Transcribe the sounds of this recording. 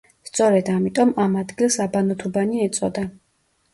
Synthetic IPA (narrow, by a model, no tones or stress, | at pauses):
st̪sʼɔɾɛd̪amit̪ʼɔmamad̪ɡilˠsabanɔt̪ʰubaniɛt̪sʼɔd̪a